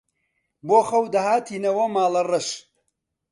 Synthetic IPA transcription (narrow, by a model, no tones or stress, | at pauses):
boːxɐwd̪ɐhaːt̪ʰiːnɐwɐmaːlɐrɐʃ